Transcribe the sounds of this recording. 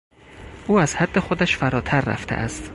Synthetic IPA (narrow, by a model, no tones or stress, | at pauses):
ʔuːæzhæd̪ːe̞xod̪æʃfæɾɒːt̪ʰæɾːæ̰ft̪ʰḛʔæ̰st̪